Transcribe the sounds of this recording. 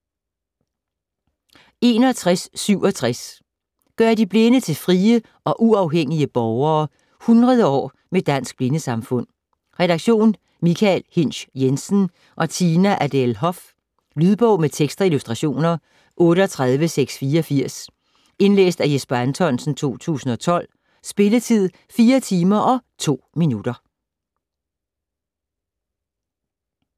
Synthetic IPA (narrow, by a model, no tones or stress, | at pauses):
e̝ːnɒ̽t͡sʰʁasːyʊ̰ɒ̽t͡sʰʁas | ɡ̥ɶɐd̥ib̥le̝nət͡sʰe̝lfʁiːə | ʔɒ̽ʔuɑ̈ʊɦeŋ̰iəb̥ɒʊɐː | hunʁɐð̞ˠəɒ̰ː | med̥æn̰sɡ̥̚b̥le̝nəsɑ̈mfɔ̽n̰ | ʁɛɾɑ̈ɡ̥ɕo̝̰ːn | mikʰælhen̰ɕjensn̩ | ʔɒ̽t͡sʰiːnæʔæd̥elɦɒ̽f | lyðˠb̥ɔʊ̰met͡sʰeɡ̥sd̥ʁɑilusd̥ʁɑɕo̝̰ːnɐ | ʔɔ̽ːɾəɒ̽t͡sʰʁaðˠʋəseɡ̥sfiːɐɒ̽fiɐ̰s | e̝nlḛːsd̥æjesb̥ɐænt͡sʰɒ̽n̰sn̩t͡sʰo̝̰ːt͡sʰṵːsn̩ɒ̽t͡sʰɒ̽l̰ | sb̥e̝lət͡sʰið̞̰ˠ | fiːɐt͡sʰiːmɐʔɒ̽t͡sʰo̝̰ːminud̥ɐ